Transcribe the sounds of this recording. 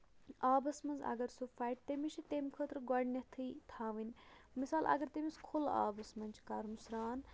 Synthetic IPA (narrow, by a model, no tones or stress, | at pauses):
aːbɐsmɐnzɐ̰ɡɐɾsufaːjʈ̚t̪emit͡ʃʰit̪emkʰəːt̪ɾɡɐɽnʲɐt̪ʰɨt̪ʰaːʋinʲmisaːlʔɐ̰ɡɐɾt̪emiskʰula̰ːbɐsmɐnʲt͡ʃʰkɐɾmusɾaːn